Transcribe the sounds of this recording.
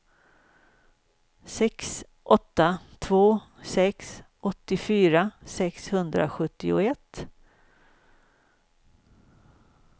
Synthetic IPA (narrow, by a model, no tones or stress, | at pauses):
sɛks | ʔɔt̪ːat̪ʰvoːsɛksʔɔt̪ːɪfyːɾasɛkshɵnd̪ɾa̰ɧɵt̪ːɪʊ̰ɛt̪ː